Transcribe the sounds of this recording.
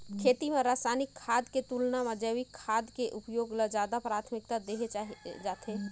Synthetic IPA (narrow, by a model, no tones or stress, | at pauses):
kʰeːt̪imẽɾaːsanɪkʰːaːd̪ket̪uːlnamə̃d͡ʒəwikʰːaːd̪keʔʊpjoːɡlad͡ʒjaːd̪apɾaːt̪ʰmɪkt̪ad̪eɦed͡ʒaːt̪ʰe